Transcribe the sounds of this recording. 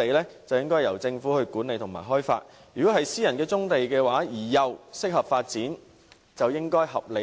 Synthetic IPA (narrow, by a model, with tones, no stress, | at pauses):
e˨jlɛː˥t͡sɐ˨wjɪ˥ŋkɔː˥jjɐ˨˩wt͡sɪ˧ŋfuː˨˥hɵ˧ɥkuː˨˥ne˨˧jt̪ʰʊ˨˩ŋma̰ː˨˩ɦɔː˥jfa̰ː˧t̚ | jy˨kɔː˨˥hɐ˨jsiː˥jɐ˨˩nkɛː˧t͡sʊ˥ŋt̪e˨jkɛː˧waː˨˥jiː˨˩jɐ˨˩wsɪ˥k̚hɐ˨p̚faː˧t̚t͡siː˨˥n | t͡sɐ˨wjɪ˥ŋkɔː˥jɦɐ˨p̚le˨˧